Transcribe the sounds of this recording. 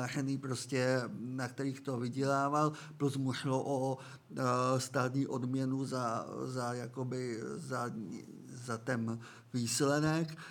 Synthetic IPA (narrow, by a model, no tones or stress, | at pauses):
arɛniːpɾoscɛnakt̪ɛɾiːxt̪o̞vɪɟɛlaːval | pluzmuʃloʔo | st̪aːt̪ɲiːʔo̞dmɲɛnuzazajakobɪza | zat̪ɛn | viːslɛnɛk